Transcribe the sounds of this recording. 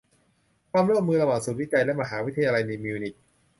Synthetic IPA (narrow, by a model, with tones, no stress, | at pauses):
kʰwaː˧mɾu˥˩əmːɯː˧la˧baː˨˩t̪̚su˨˩t̪̚wi˥t͡ɕa˧jlɛ˦˥ma˧ɦaː˩˦wi˦˥t̪ʰːa˧jaː˧la˧jna˧miː˧wni˨˩k̚